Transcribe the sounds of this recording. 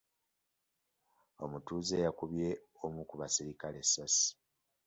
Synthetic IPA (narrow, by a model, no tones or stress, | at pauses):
o̞mutuːzejakuβje̞ | omukuβasiɾikale̞sasi̥